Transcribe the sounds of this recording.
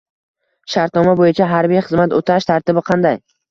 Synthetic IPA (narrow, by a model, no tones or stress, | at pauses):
ʃaɾt̪nɒmabojɪt͡ʃʰaɦaɾbijχɨzmat̪ot̪ʰaʃt̪ʰaɾt̪ɪbɪqʰɑnd̪aj